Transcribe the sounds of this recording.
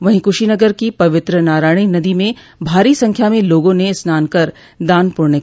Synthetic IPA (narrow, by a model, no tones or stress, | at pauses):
ʋɐɦĩkʊʃinɐɡəɾkipɐʋɪt̪ɾənaːɾaːɪɽ̃inɐd̪imẽ | bʱaːɾisɐ̃ŋkʰjamẽloːɡõnesnaːnkɐɾ | d̪aːnpʊɾne